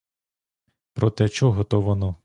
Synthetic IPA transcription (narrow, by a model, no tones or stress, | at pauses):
pɾɔt̪ɛt͡ʃɔɦɔt̪ɔʋɔnɔ